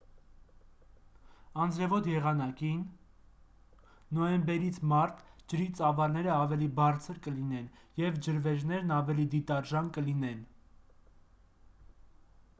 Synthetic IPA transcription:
ɑnd͡zɾɛvɔd̪jɛʁɑnɑkin | ɔjɛmbɛɾit͡sʰmɑɾt̪ʰd͡ʒəɾit͡sɑvɑlnɛɾəɑvɛlibɑɾt͡sʰəɾkəlinɛnjɛvd͡ʒəɾvɛʒnɛɾnɑvɛlid̪it̪ɑɾʒɑnkəlinɛn

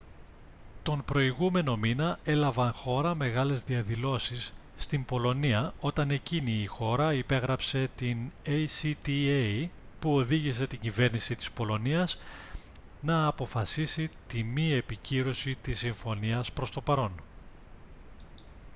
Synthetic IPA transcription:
t̪o̞mpɾo̞iɣume̞no̞minɐe̞lɐvɐnxo̞ɾɐme̞ɣɐle̞zðiɐðilo̞sisː | t̪imbo̞lo̞niɐo̞t̪ɐne̞ciniːxo̞ɾɐipe̞ɣɾɐpse̞t̪inejsit̪ie | puo̞ðiʝise̞t̪iɲɟive̞ɾnisit̪i̥spo̞lo̞niɐz | nɐːpo̞fɐsisit̪imie̞piciɾo̞sit̪isːiɱfo̞niɐspɾo̞st̪o̞pɐɾo̞n

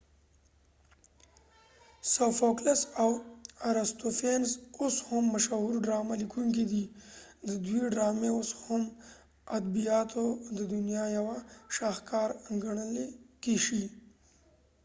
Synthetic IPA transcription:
sawfoklasawaɾast̪ofenzoshʊmːaʃaɦuɾɖɾɑmalikʰuŋkid̪id̪əd̪wiɖɾɑmeoshʊm | ad̪bijɑt̪ʰod̪əd̪ʊnjɑjawaʃɑxkɑɾaŋɡaɳəlekiʃi

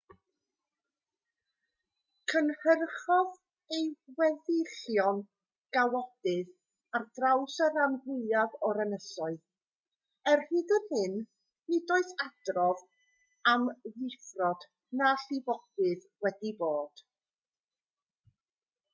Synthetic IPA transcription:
kʰənhərχɔð | ejwɛðɪɬjɔn | ɡ̥awɔd̥ɨð | ardrawsəɾanhɪaðɔɾənəsɔɨð | ɛrhɨːdənhɪn | nidoːɨθad̥rɔv | amðɪfrɔd̥ | naɬɪvɔd̥ɨð | wɛdiboːd̥

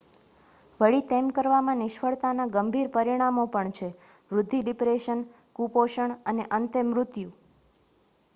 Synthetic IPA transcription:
ʋəɭit̪emkəɾʋamãnɪʃfəɭt̪anaɡəmbʱiɾpəɾiɽ̃amopəɳt͡ʃʰeʋɾʊd̪ʱːiɖipɾeʃən | kupoʃəɳəneʔənt̪ɪmɾʊt̪ju

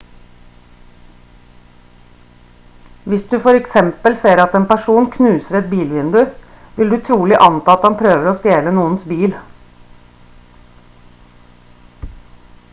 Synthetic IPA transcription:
ʋɪsd̪ʉfɔɾɛksɛmpəlseːɾɑt̪eːnpæʂuːnkʰnʉːsəɾɛt̪̚biːlʋɪnd̪ʉ | ʋɪld̪ʉːt̪ʰɾuːlɪʔɑnt̪ɑːɑt̪hɑnpʰɾøːʋəɾoːst̪jeːlənuːənsbiːl

